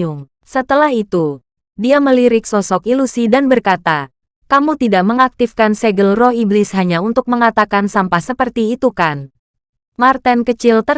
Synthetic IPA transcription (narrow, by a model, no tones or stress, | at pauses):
uŋ | sət̪əlaɦit̪u | diaməliɾɪksɔsɔkilusidanbərkat̪a | kamut̪idaʔməŋak̚t̪ifkansɛɡəlrɔhiblɪsɦaɲaunt̪ʊk̚məŋat̪akansampasəpərt̪iːt̪ukan | mart̪ɛnkət͡ʃɪlt̪ə